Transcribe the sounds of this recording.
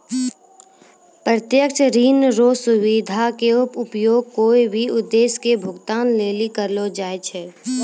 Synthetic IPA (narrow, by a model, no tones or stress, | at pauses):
pɾət̪jəkʃɾiːnɾoːsʊwid̪ʱakeʊpʊpjoːɡ̚koːibʱiʊd̪ːeːskebʱʊɡt̪aːnleːlikəɾlod͡ʒaːet͡ʃʰɛː